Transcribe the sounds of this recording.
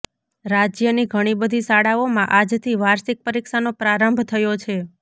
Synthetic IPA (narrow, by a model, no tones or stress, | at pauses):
ɾad͡ʒjəniɡʱəɽ̃ibəd̪ʱisaɽaomãʔad͡ʒt̪ʰiʋaɾsik̚pəɾikʃanopɾaɾəmbʱt̪ʰəjot͡ʃʰe